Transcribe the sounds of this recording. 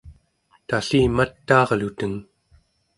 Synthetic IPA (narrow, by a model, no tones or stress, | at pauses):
t̪aɬiːmat̪ːɑːʁlut̪əŋ